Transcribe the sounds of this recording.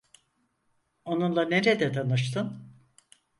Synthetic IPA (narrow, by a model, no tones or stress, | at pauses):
o̞nunlˠaneɾed̪ɛt̪ʰanɯʃt̪ʰɯn